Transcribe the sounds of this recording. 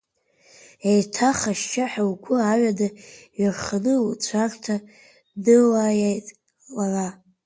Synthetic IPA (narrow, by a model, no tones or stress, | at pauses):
ejtʰaχaʃt͡ʃaħawkʷʰʊaɥadaɥarχanɨlt͡ɕʷʰartʰa | dɨlajajtʼ | lara